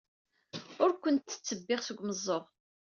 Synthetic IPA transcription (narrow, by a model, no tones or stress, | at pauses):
ʊɾkʷənt̪θə̥t͡sːəbːɪʁsəɡʷməzˤːoʁ